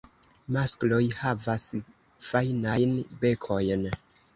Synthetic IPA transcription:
masklo̞jhavas | fajnajnbe̞kʰo̞jn

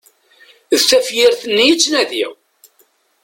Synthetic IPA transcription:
ðθæfjɪɾθnːijit͡sːnæðiʁ

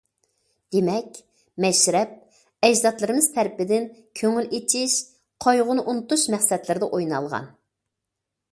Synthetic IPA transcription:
d̪̥emɛkʲ | mɛʃɾɛp̚ | ɛd͡ʒzɑt̪lˠɨɾɨmɨz̥t̪ʰɛɾpɪd̪ɪnkʲʰøŋylet͡ʃʰiʃ | qʰɑjʁʊnɨʔunɨt̪uʃmɛχsɛt̪lɪɾɪd̪ɛʔojnɑ̰lˠʁɑ̰n

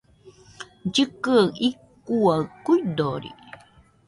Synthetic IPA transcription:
ɟəkəikː | uakuidoɾḭ

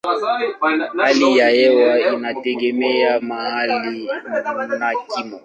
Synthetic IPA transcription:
alijajɛwainatɛɡɛmɛamahali | nakimɔ

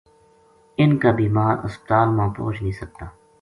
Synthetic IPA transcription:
ɪnkaːbiːmaːɾʊ̰spət̪aːlmãːpo̰ːt͡ʃnĩːsək̚t̪aː

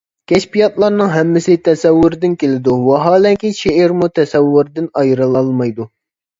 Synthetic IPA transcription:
kʲʰɛʃpijɑt̪lˠɑɾnɨŋɦɛmːɪsɪt̪ʰɛsɛwːʊɾɪd̪ɪnkʲelɪd̪uwɑɦɑːlɛŋkʲiʃeɪɾmut̪ʰɛsɛwːʊɾd̪ɪnɑjɾɨlˠɑlˠmɑjd̪u

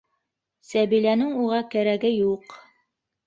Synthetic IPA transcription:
sæβilænɘŋuʁɑkæɾæɡɘjuq

